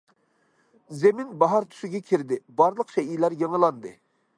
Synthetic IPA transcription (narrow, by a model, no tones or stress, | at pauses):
zemɪnbɑɦɑɾt̪ʰu̥ʃɪɡʲɛkʲʰiɾd̪ɪbɑɾlˠəqʃɛijlæɾjeŋəlˠɑnd̪ɨ